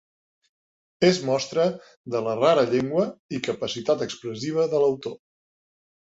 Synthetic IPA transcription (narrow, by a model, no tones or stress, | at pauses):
ezmɔst̪ɾə | ðələraɾəʎeŋɡwəikəpəsit̪at̪əkspɾəsiβ̞əðələwt̪o